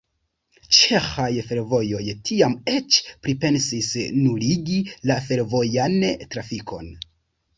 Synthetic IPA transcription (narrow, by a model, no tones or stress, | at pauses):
t͡ʃe̞xajfe̞ɾvo̞jo̞jtʰiame̞t͡ʃpɾipe̞nsisnuliɡilafe̞ɾvo̞jantɾafikʰo̞̰n